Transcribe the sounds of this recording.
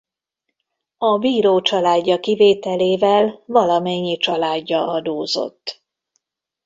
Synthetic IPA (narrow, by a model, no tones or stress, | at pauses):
ɒbiːɾoːt͡ʃɒlaːɟːɒkiveːt̪ɛleːvɛlvɒlɒmɛɲːit͡ʃɒlaːɟːɒɒd̪oːzo̞̰t̪ː